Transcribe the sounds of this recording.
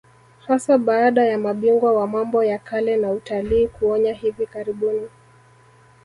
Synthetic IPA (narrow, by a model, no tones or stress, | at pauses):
hasaɓaːɗajamaɓiŋɡwawamambɔjakalɛnautaliːkuɔɲaɦivikaɾiɓuni